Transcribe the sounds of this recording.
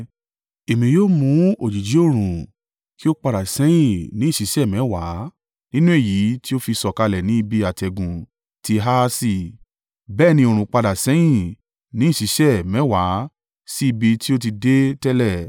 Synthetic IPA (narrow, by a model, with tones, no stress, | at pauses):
e˨mĩ˨joː˦mũ˨˦o˨d͡ʒi˨d͡ʒi˨˦o˦˨ɾ̃ũ˨ | ki˦o˦k͡pa˧da˨sɛ̃˨˦j̃ĩ˦˨nĩ˨˦˨ʃi˨˦ʃɛ˦˨mɛ̃˨˦wa˨˦ | nĩ˦nũ˦e˦˨ji˨˦ti˦o˦fi˧sɔ˧ka˧lɛ˨nĩ˨˦i˧bi˧a˨tɛ˨ɡũ˨ | ti˧ɦa˦˧si˧˨ | bɛː˦˨nĩ˧o˧˨ɾ̃ũ˨k͡pa˧da˨sɛ̃˨˦j̃ĩ˦˨ | nĩ˨˦˨ʃi˨˦ʃɛ˦˨mɛ̃˨˦wa˨˦ | si˦i˧bi˧ti˦o˦t̬i˧de˦tɛ˦lɛ˦˨